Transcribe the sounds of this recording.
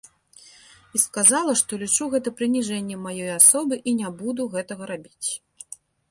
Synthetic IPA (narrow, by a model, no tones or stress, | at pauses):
iskazalˠɐʂt̪ɔlʲit͡ʂuɣɛt̪ɐpɾɨnʲiʐɛnʲːɛmajɔjasɔbɨʔinʲabud̪uɣɛt̪ɐɣɐɾabʲit͡sʲ